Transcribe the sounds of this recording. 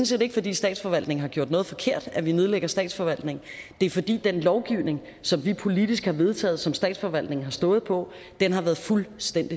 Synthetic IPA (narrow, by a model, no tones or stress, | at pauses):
nsḛːde̝ɡ̥fɒd̥ḭːsd̥ɛ̰ːd̥sfɒ̽ʋæl̰d̥ne̝ŋ̩ɦɑ̈ɡ̥o̰d̥nɔ̽ːð̩ˠfɒ̽kʰe̝ɐ̰d̥æʋinøð̞ˠleɡ̥ɐsd̥ɛ̰ːd̥sfɒ̽ʋæl̰d̥ne̝ŋ̩d̥e̝æɐfɒ̽d̥ḭːd̥enlɒʊɡ̥iʊ̰ne̝ŋ | sɒ̽mʋipʰo̝lid̥isɡ̥hɑ̈ʋe̝ð̞ˠt͡sʰɛ̰ːð̩ˠsɒ̽msd̥ɛ̰ːd̥sfɒ̽ʋæl̰d̥ne̝ŋ̩ɦɑ̈sd̥ɔ̽ːð̩ˠpʰɒ̽ | d̥enhɑ̈ʋæːɐð̩ˠfulsd̥en̰d̥i